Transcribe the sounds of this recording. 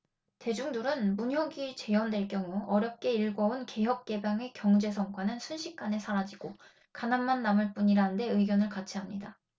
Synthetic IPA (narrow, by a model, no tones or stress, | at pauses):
te̞d͡ʑuŋduɾɯnmuɲɦjʌɡit͡ɕe̞jʌndwe̞ɭk͈jʌŋuʌɾjʌp̚k͈e̞iɭɡʌunke̞jʌk̚k͈e̞baŋe̞kjʌŋd͡ʑe̞s̬ʰʌŋk͈wanɯnsʰunɕʰik̚k͈ane̞sʰaɾad͡ʑiɡ̥o | kananmanːamɯɭp͈uɲiɾaɯnde̞ɯiɡjʌnɯɭkat͡ɕʰiɦamɲida